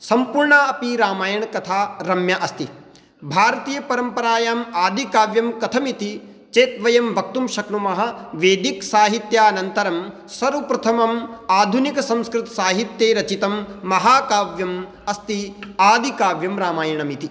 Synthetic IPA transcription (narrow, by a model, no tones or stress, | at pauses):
sɐmpuɾɳaɐpiɾaːmaːjɐɳkɐt̪ʰaːɾɐmjɐʔɐst̪i | bʱaːɾɐt̪iːjɐpɐɾɐmpɐɾaːjaːmaːd̪ʱikaːʋjɐmkɐt̪ʰɐmit̪i | t͡ʃeːt̪ʋɐjɐmʋɐk̚t̪umʃɐknumɐɦɐʋeːd̪iksaːɦit̪jaːɐnɐnt̪ɐɾɐm | sɐɾupɾɐt̪ʰɐmɐmaːd̪ʱunikɐsɐ̃mskɾɪt̪ɐ̥saːɦit̪jeːɾɐt͡ʃit̪ɐmːɐɦaːkaːʋjɐm | ɐst̪iaːd̪ʱikaːʋjɐmɾaːmaːjɐɳɐmit̪i